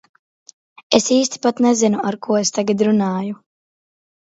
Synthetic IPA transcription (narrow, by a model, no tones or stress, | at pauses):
esiːst̪i̥pat̪nɛzinuaɾkuɔest̪aɡad̪ɾunaːju